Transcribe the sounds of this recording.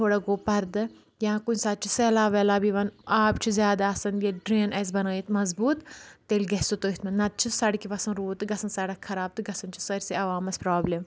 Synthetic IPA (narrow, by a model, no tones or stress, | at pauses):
t̪ʰoːɽɐɡoːpɐɾd̪ɨ | jãːkunʲsaːt̪̚t͡ʃʰiseːlaːʋɛːlaːbiʋɐnaːpt͡ʃʰizʲjaːd̪aːɐsɐnjɐɖɾeːnɐːs̬bɐnaːjit̪mɐzbuːt̪ːeːlʲɡɐsut̪oːɦit̪mɐnnɐt̪̚t͡ʃʰisɐɽkiʋɐsɐ̃nɾuːt̪ɨɡɐsɐnsɐɽɐkkʰːɐɾaːb̚t̪ɨɡɐsɐnt͡ʃʰi̥sɐɾʲsiɐʋaːmɐspɾaːblem